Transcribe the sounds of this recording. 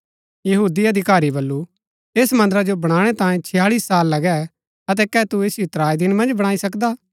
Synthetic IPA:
jɐɦuːd̪iɐd̪ʱɪkaːɾibɐlːu | eːsmɐ̃nd̪əɾad͡ʒobɐɽ̃aːɽ̃ɛt̪ãːjẽt͡ʃʰɪjaːɭiːsːaːlːɐɡɛ | ɐt̪̬ɛkɛːt̪ueːsjot̪ɾaːid̪ɪnmɐ̃nd͡ʒbɐɽ̃aːisɐkd̪aː

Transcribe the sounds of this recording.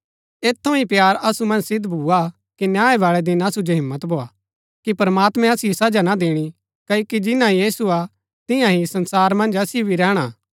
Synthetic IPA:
eːt̪ʰːõipjaːɾɐsumɐ̃nd͡ʒsɪd̪bʱua | kinjaːeʋaːɭɛd̪ɪnɐsud͡ʒoɦɪ̃mːət̪bʱoːaː | kipɐɾmaːt̪mɛ̃ɐsijosɐd͡ʒanad̪eːɽ̃i | kɐoːkid͡ʒɪnãɦijiːsua | t̪ɪjãɦisɐ̃nsaːɾmɐ̃nd͡ʒɐsibʱiɾɛːɽ̃aː

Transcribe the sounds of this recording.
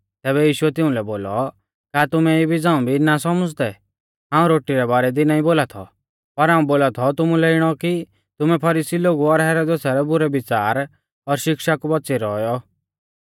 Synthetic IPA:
t̪ɛːβɛjiːʃʊɛt̪ɪũlɛboːlɔ | kaːt̪ʊmɛibʱid͡zãːũbʱinasɔməd͡zd̪ɛ | ɦãːũɾoːʈiɾɛbaːɾɛd̪inaːĩboːlat̪ʰɔ̰ | pɐɾɦãːũboːlat̪ʰɔt̪ʊmũlɛɪɽ̃ɔki | t̪ʊmɛpʰɐɾisiloːɡuɔɾɦɛːɾɔd̪esaɾɛbʊɾɛbɪt͡saːɾ | ɔɾʃɪkʃakubɐːt͡siɾɔjɔ

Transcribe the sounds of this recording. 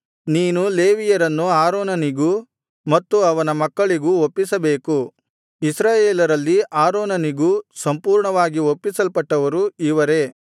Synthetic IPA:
niːnule̞ːʋijɐɾɐnːuaːɾoːnɐniɡu | mɐt̪ːuɐʋɐnɐmɐkːɐɭiɡuopːisɐbe̞ːku | isɾaːjeːlɐɾɐlːiʔaːɾoːnɐniɡusɐmpuːɾɳɐʋaːɡiopːisɐlpɐʈːɐʋɐɾuiʋɐɾe̞

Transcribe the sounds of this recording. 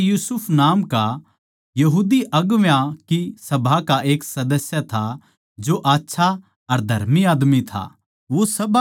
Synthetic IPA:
juːsʊpʰnaːmka | jɐɦuːd̪iʔɐɡʋjakisɐbʱakaʔeːksɐd̪əsjat̪ʰa | d͡ʒoʔaːtːʃʰa | ɐɾd̪ʱɐ̰ɾmiaːd̪mit̪ʰa̰ | ʋosɐbʱa

